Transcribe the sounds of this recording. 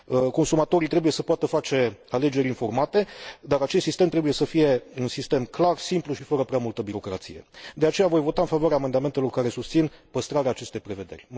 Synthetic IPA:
əko̞nsumat̪o̞ɾit̪ɾe̞buje̞səpoat̪əfat͡ʃe̞ale̞d͡ʒe̞ɾʲinfo̞rmat̪e̞d̪aɾat͡ʃest̪sist̪emt̪ɾe̞buje̞səfije̞unsist̪e̞mklarsimpluʃifəɾəpɾeamult̪əbiɾo̞kɾa̰t̪sḭje̞̰d̪e̞at͡ʃe̞javo̞jvo̞t̪aɨnfavoaɾeaːme̞nd̪ame̞nt̪e̞lo̞rkaɾe̞sust̪sinpəst̪ɾaɾeaːt͡ʃe̞st̪e̞jpɾe̞ve̞d̪e̞̰rʲ

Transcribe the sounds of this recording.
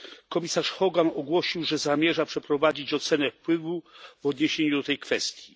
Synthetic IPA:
kɔmʲisaʂxɔɡanɔɡwɔɕiwʐɛzamʲjɛʐapʂɛpɾɔvad͡ʑit͡ɕɔt̪sɛnɛfpwɘvuvɔd̪ɲeɕeɲud̪ɔt̪ɛjkfɛst̪ʲji

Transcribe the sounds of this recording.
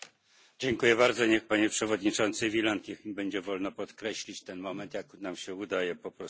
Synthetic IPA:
d͡ʑɛŋkujɛbaɾd̪zɔɲɛxpaɲɛpʂɛvɔd̪ɲit͡ʂɔnt̪sɘvʲilant̪ɲɛxmʲibɛɲd͡ʑɛvɔlnɔpɔt̪kɾɛɕlʲit͡ɕt̪ɛnmɔmɛnt̪jaknamɕɛud̪ajɛpɔpɾɔ

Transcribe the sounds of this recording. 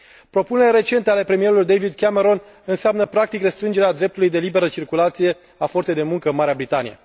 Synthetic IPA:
pɾo̞pune̞ɾɾe̞t͡ʃe̞nt̪eale̞pɾe̞mie̞ɾulujd̪ejvid̪kameɾo̞n | ɨnseamnəpɾak̚t̪ikre̞st̪ɾɨnd͡ʒeɾead̪ɾe̞p̚t̪ulujd̪e̞libe̞ɾət͡ʃirkulat̪sije̞ | afo̞rt̪sejd̪e̞muŋkəɨnmaɾeabɾit̪anijḛ

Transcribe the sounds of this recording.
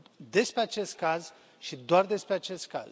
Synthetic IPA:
d̪e̞speat͡ʃest̪̚kaz | ʃid̪oard̪espɾeat͡ʃest̪ka̰z̥

